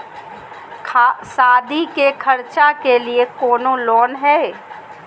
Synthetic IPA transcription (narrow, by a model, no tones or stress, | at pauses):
saːd̪ʱikekʰɐɾt͡ʃakeliekoːnõloːnɦɛː